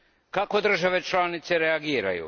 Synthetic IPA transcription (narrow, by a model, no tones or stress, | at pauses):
kako̞d̪r̩ʒaʋe̞t͡ʃlaːnit̪se̞ɾe̞aɡiːɾa̰jṵ